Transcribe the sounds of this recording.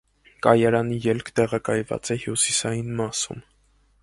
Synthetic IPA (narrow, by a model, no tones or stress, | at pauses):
kɑjɑɾɑnijɛlkʰt̪ɛʁɑkɑjvɑ̰t͡sɛhjusisɑjinmɑsṵm